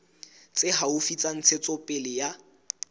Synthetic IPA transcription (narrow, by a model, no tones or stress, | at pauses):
t͡sʼɪɦaʊfit͡sʼan̩t͡sʰet͡sʼɔpʼɪlɪja